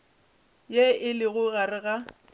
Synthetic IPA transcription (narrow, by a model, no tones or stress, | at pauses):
jeɪlɪɣʊɣarɪɣa